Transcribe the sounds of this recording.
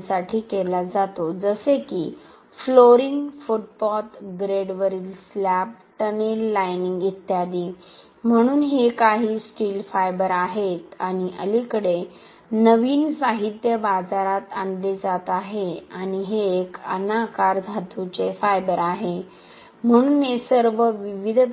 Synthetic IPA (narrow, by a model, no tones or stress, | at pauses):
saʈʰiːkelad͡zat̪od͡zəsekiː | floɾiŋɡfuʈ̚pɔt̪ɡɾeɖʋəɾilslap̚ʈənelːajniŋɡit̪jad̪iː | m̤əɽ̃uːnɦekaɦiːsʈiːlfajbəɾaɦet̪aɽ̃iʔə̰likəɽe | nəʋiːnsaɦit̪jəbad͡zaɾat̪and̪ed͡zat̪aɦeaɽ̃iɦeːkə̰nakaɾd̪ʱat̪ʰut͡sefajbəɾaɦe | m̤əɽ̃uːnɦesəɾʋəʋiʋid̪ʱ